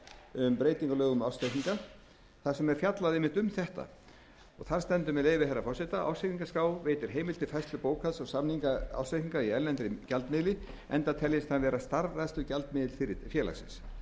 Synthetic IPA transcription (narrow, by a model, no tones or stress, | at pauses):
ʏmpɾeːjt̪iŋkʏlœːɣʏmawsehkniŋka | θaðsɛmɛɾfjat̪laðeːmɪht̪ʏmθɛht̪a̰ | ɔɣθaɾ̥st̪ɛnt̪ʏmɛðleːjvɪhɛrːafɔrsɪt̪aʔa̰wseiŋkaskaːwveːjt̪ɪɾ̥ɦeːjmɪlt̪ɪfajst̪lʏpoːwkʰaðsɔsamniŋkaa̰wsejhiŋkaiɛllɛnt̪ɾɪcalt̪mɪðlɪ | ɛ̰nt̪at̪ʰɛljɪst̪anvɛːɾast̪aɾvaðst̪ʏcalt̪mɪðɪlfɪɾɪfjɛːla̰sɪ̰ns